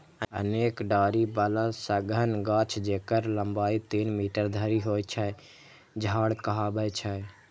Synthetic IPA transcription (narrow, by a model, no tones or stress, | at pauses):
əə̰neːkɖaːɾibalasəɡənɡat͡ʃʰd͡ʒekəɾləmbaːit̪iːnmiʈəɾd̪ʱəɾiɦojt͡ʃʰə | d͡ʒʱaːɽkəɦabət͡ʃʰə